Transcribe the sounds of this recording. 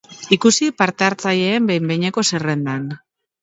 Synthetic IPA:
ikusipaɾt̪e̞aɾt͡saje̞ːmbejmbejɲeko̞sere̞nd̪an

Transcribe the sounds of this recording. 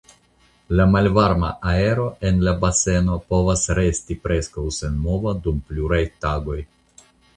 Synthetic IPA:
lamalvaɾma̰ʔae̞ɾo̞e̞nlabase̞no̞po̞vasɾe̞stipɾe̞skawse̞nmo̞vadumpluɾajtaɡo̞j

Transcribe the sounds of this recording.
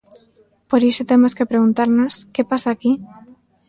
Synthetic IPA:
poɾiʃot̪emoskepɾeɣunt̪aɾnoskepasaːki

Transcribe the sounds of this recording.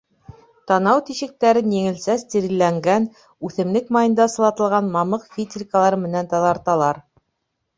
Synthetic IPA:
t̪ɑnɑwt̪iʃɘ̆k̚t̪æɾɘnjɘ̆ŋɘ̆lsæst̪iɾilːæŋɡæn | ʉθɘ̆mlɘkmɑjɤ̆nd̪ɑsɤ̆lˠɑt̪ɤ̆lˠʁɑnmɑmɤqfʲit̪ʲrʲikəlˠɑɾɤmɘ̆nænt̪ɑðɑɾt̪ɑlˠɑɾ

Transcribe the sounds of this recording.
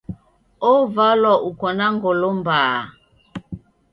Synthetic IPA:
ovalɔʔukɔnaŋɡolombaː

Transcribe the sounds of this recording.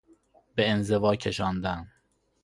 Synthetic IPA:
beenzevɒːcʲʰeʃɒːnd̪æn

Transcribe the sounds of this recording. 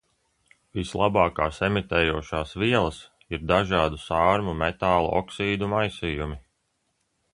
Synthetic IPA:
vislˠʔɑbɑːkaːsemit̪ɛːjuɔʃaːsviɛlˠɐs | iɾd̪aʒɑːd̪usɑːɾmumet̪aːlˠṵʔɔ̰ksiːd̪umajsijumi

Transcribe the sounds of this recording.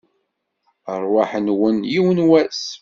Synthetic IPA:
ərˤwaħənwənjiwnwæs

